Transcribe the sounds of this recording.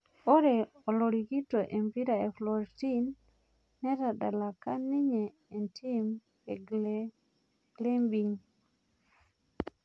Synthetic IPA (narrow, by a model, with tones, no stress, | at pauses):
o˦ɾe˨ | ɔ˨lo˨ɾi˨ɡi˦to˨ʔe˨mpi˦ɾa˨e˨flɔ˨ɾti˦nː | ɛ˦ɾa˨da˨la˨ka˦ni˦ɲeː˨ | nti˦m˨ | ɡle˦mbi˨ŋ